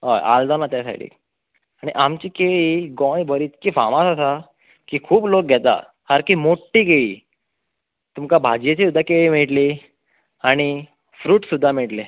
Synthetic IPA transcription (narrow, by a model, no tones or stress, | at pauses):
ɦajʔa̰ld̪anat̪jasa̰ʈʰḭ | aɽ̃iʔamt͡ɕiːkeɭiːɡɔ̃jbʱəɾiːt̪̚kiːfa̰mãsasa | kiːkʰuːblok̚ɡʱɛt̪a̰ | haɾkiːmoʈːiːɡeɭḭ | t̪umkabʱad͡ʑjet͡ɕisud̪ʱːakeɭiːmiɭʈli | aɽ̃i | fɾuːʈsud̪ʱːamiɭʈle